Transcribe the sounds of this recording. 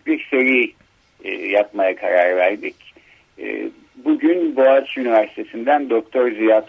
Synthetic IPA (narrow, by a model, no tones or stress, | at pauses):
lʲicseɾḭ | japmajakʰaɾaɾvæɾd̪icː | buɟynboat͡ʃynivæɾsi̥t̪ʰe̞sind̪ænd̪ok̚t̪ʰoɾzijat̪ʰ